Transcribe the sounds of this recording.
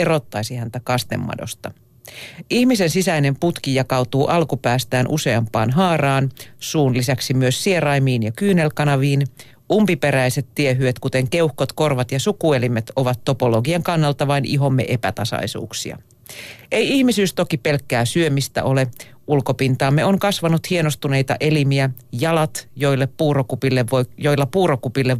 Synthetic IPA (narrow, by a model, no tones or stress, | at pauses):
erot̪ːɑisihænt̪ækɑst̪emːɑ̰do̰st̪ɑ | ʔihmisensisæine̞mput̪kijɑkɑut̪uːʔɑlkupæːst̪æːnʔuse̞ɑmpɑ̰ːnɦɑːrɑːnsuːnlisæksimyøsːierɑjmiːnjɑkyːnelkɑnɑʋiːn | ʔumpipeɾæiset̪ːieɦyet̪kut̪eŋkeuhkot̪korʋɑt̪jɑsukuelimet̪oʋɑt̪ːopoloɡiɑŋkɑnːɑlt̪ɑʋɑinʔiɦo̞mːḛʔepæt̪ɑsɑ̰isṵːksḭɑ̰ | ʔe̞jihmisyːst̪okipelkːæːsyømist̪æ̰ʔole | ʔulkopint̪ɑːmːeoŋkɑsʋɑnut̪hienost̪une̞it̪ɑ̰ʔelimiæjɑlɑt̪jo̞ilːeppuːrokupilːeʋojoilːɑpuːɾokupilːe